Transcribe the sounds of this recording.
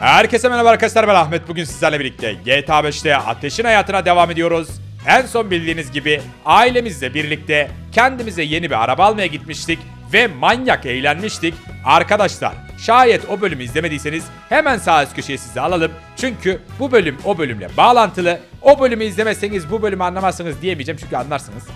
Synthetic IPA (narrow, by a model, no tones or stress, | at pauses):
hæɾcʰesɛmɛnabaɾakaslˠaɾbɛnaxmɛt̪̚buɟynsizlʲæɾlʲˠebiɾlʲic̚t̪ʰɛ̰jeːt̪ʰaːbɛʃt̪ʰɛʔa̰t̪ʰeʃinhajaːt̪ʰɯnad̪e̞vaːme̞d̪ijo̞ɾuz | ænso̞nbilʲd̪ʲiːnizɟibi | aːilʲe̞mizlʲɛbiɾlʲic̚t̪ʰɛcʰɛnd̪imizɛje̞nibiɾa̰ɾabaːlˠmajaɟit̪miʃt̪ʰic | vɛmanjakejlʲænmiʃt̪ʰic | aɾkʰad̪aʃlˠa̰ɾ̥ | ʃaːjɛt̪o̞bølʲymyizlʲe̞me̞d̪ijse̞niz̥ | hemænsaːscʰøʃejɛsizd̪ɛalˠalˠɯm | t͡ʃʰyɲcʰyb̥ubø̞lʲymo̞bølʲymlʲɛ̰baːlˠant̪ʰɯlˠɯo̞bø̞lʲymyizlʲemɛsenizbubø̞lʲymyanlˠamasɯnɯzd̪ijemijed͡ʒemt͡ʃʰy̥ncʰʲlʲanˠaɾsanɯz̥